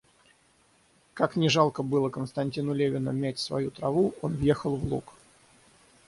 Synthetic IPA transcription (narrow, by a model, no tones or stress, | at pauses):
kaknʲɪʐalˠkəbɨlˠəkənst̪ɐnʲtʲinʊlʲevʲɪnə̰mʲætʲsvɐ̰jut̪ɾɐvuʔo̞nvje̞xəlˠvlˠṵk